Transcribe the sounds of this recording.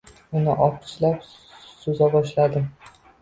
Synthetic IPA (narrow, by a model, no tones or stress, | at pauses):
ʊnɪʔɒp̚t͡ʃlap | sozabɒʃlad̪ɪm